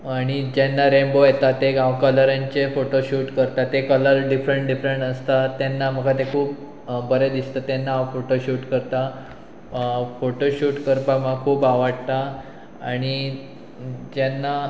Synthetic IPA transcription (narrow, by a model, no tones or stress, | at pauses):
aɽ̃id͡ʑɛnːaɾembojet̪at̪ːeɡãwkələɾãɲt͡ɕefoʈoɕuːʈkəɾt̪at̪ekələɾɖifɾəɳʈɖifɾəɳʈəst̪at̪janːaməɡʰʱat̪ekʰuːp | bəɾed̪ist̪at̪jɛnːaːwfoʈoɕuːʈkəɾt̪a | foʈoɕuːʈkəɾpamakʰuːpaʋəɽt̪a | aɽ̃i | d͡ʑanːa